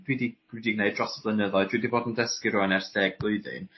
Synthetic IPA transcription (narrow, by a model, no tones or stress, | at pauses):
dwidi̥idiɡnejdrɔsblˠənəðɔɨdwidivoːdndəskiɾuɛnɛrθdɛːɡ̚b̥lˠʊɨðɨ̰n